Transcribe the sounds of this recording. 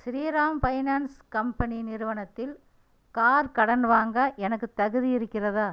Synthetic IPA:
ʃɪɾiːɾaːmpɐɪnaːnskɐmpɐninɪɾɯʋɐnɐt̪ːɪl | kaːɾkɐɽɐnʋaːŋɡɐʔɛnɐkːɯt̪ːɐɣɯðijɪɾɯkːɪrɐðaː

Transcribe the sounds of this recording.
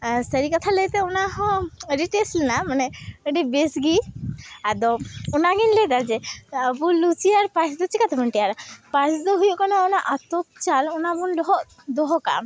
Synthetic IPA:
səɾikat̪ʰaləɡt̪ɛɔnaɦɔ̃əɾiʈeslɛnamanɛəɖibesɡiad̪ɔɔnaɡinlɛd̪ad͡ʒɛəbulut͡ʃiaɾpãt͡ʃd̪ut͡ʃikat̪əbəɳʈɛjaɾapãt͡ʃd̪ɔɦujuʔkanaɔnaʔat̪ɔt̪̚t͡ʃalɔnabunlɔɦɔʔ | d̪ɔɦɔka̰

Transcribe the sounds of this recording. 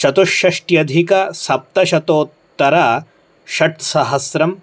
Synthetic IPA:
ʃɐt̪oʃɐʂʈjɐd̪ʱikɐsɐp̚t̪ɐʃɐt̪oːt̪ːɐɾɐ | ʃɐʈsɐɦɐsɾɐm

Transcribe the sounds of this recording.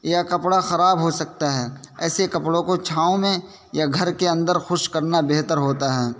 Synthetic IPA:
jakɐpɽaxɐɾaːbɦosɐk̚t̪aɦɛːɛːsekɐpɽõkot͡ʃʰaːõmẽ | jaɡʱɐɾkeɐ̃nd̪əɾxʊʃkɐɾnabeɦt̪əɾɦoːt̪aɦɛː

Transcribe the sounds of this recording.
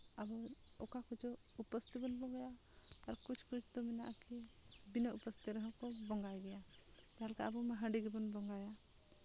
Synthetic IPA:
abɔɔkakɔd͡ʒɔ | upɔst̪ibɔnbɔŋɡajaː | ɾkut͡ʃʰkut͡ʃʰt̪ɔminaʔki | binɔupɔst̪iɾəɦɔ̃kɔbɔŋɡajɡɛja | t̪aɦɛlkaabɔmaɦə̃ɖiɡibɔnbɔŋɡaja

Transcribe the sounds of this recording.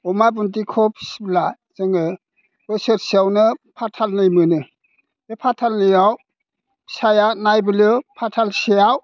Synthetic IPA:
ɔmabunt̬ikʰɔp̚sbla | z̥ɯŋɯ | bɯsɯɾsiawnɯpʰatʰalnɯjmɯnɯ | epʰatʰalnɯjaw | sajanajbɯlɯpʰatʰalsejaw

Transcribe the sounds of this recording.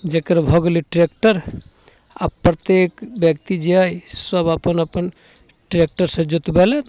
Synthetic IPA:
d͡ʒekəɾbʱɔɡliʈɾekʈəɾ | a̰bpɾət̪ekbjəkt̪id͡ʒeajsəbapənəpən | ʈɾek̚ʈəɾsẽd͡ʒut̪belen

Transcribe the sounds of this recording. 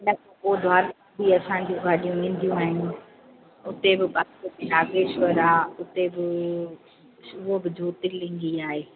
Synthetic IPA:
nɐkpoːd̪ʱʊaːɾ | bʱiɐsãːɲ̆d͡ʑũɡʱaːɗijũʋẽːn̆d̪ʱijũaːɦɪnɪ̆ | ʊt̪ebɪɓasɐt̪inaːɡeʃʋɐɾaʊt̪ebɪ | ʊobɪd͡ʑʱuːt̪ɪlɪ̃ŋ̆ɡiaːɦeː

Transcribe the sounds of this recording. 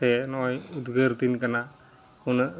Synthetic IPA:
tenɔjud̪ɡəɾt̪inkana | hun

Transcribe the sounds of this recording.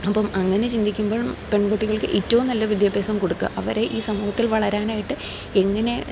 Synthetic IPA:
ɐpːɐmɐŋːɐne̞t͡ɕind̪ikʲːumbo̞ːɭmpe̞ɳkoʈːiɣɐɭkɨʔitːɐʋumnɐlːɐʋid̪jabeːsɐmkoɽukːɨ̰ʔɐʋɐɾe̞ʔiːsɐmuːhɐt̪ːilʋɐɭɐɾaːnaːjiʈːɨ | e̞ŋːɐne̞

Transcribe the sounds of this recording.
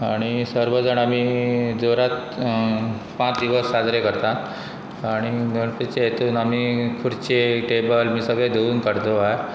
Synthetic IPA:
aɽ̃isəɾʋəd͡zəɳ̃amid͡zoɾat̪ | pãt͡sd̪iʋəsːad͡zɾekəɾt̪ã | aɽ̃iɡəɳpet͡ɕeet̪uːnam̤ikʰuɽt͡ɕeʈebəlmiːsəɡɭẽd̪ʱeʋuːnkəɽd̪oae

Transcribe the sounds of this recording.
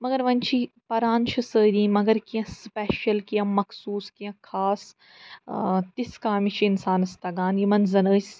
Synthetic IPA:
mɐɡɐɾʋɐnt͡ʃʰipɐɾaːnt͡ʃʰisəːɾĩːmɐɡɐɾkijɐ̃spɛːʃɐlkijɐ̃mɐkʰsuːskijɐ̃kʰaːs | t̪iskaːmit͡ʃʰiinsaːnɐst̪ɐɡaːnjimɐnzɐnəːs

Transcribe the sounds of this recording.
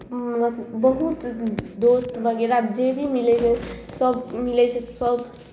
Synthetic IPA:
bəɦut̪d̪ost̪bʱəɡeɾaːbd͡ʒebʱimilɛt͡ʃʰɛsəbmilɛt͡ʃʰɛt̪səb

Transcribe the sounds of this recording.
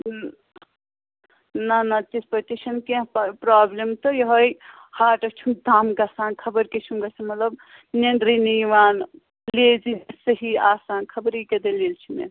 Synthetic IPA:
nɐnɐt̪ispɐʈiʃɐnkẽɦppɾaːblemt̪ɔjɦoj | haːʈɐt͡ʃʰũmd̪aːmɡasaːnkʰɐbəɾket͡ʃʰumɡɐsɐmɐt̪lɐb | nenɾiniʋaːn | leːd͡ʒinsəɦiaːsaːnkʰɐbɾiked̪elelt͡ʃʰimḛ

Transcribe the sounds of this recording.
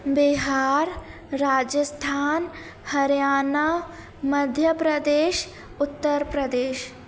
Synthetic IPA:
bɪɦaːɾ | ɾaːd͡ʒəst̪ʰaːn | hɐɾjaːna | mɐd̪ʱjəpɾəd̪eːʃ | ʊt̪ːəɾpɾɐd̪eːʃ

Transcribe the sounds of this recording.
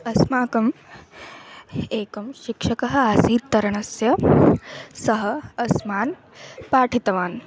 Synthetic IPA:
ɐsmaːkɐm | eːkɐmʃikʂɐkɐɦɐ̆aːsiːt̪ːɐɾɐɳɐsjɐ | sɐɦɐ̆ɐsmaːn | paːʈʰit̪ɐʋaːn

